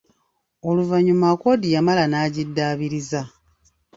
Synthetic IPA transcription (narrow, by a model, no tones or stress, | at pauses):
o̞luvaɲumako̞dijamalanaːɟidːaːβiɾiza